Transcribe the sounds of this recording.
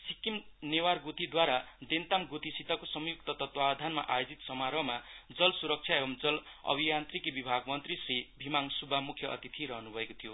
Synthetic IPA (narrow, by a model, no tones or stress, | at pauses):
sikimnewarɡut̪id̪waɾad̪ent̪amɡut̪isit̪akosʌmjuk̚t̪ʌt̪ʌt̪wad̪ʱanma̰ʔajod͡zit̪sʌmaɾʌɦmad͡zʌlsuɾʌk̚t͡ʃʰjaebʌmd͡zʌlʌ̰bʱijant̪rikibibʱaɡmʌnt̪risribʱimaŋsubʱamukʰjʌʔʌ̰t̪it̪ʰiɾʌɦʌnubʱʌekot̪ʰijo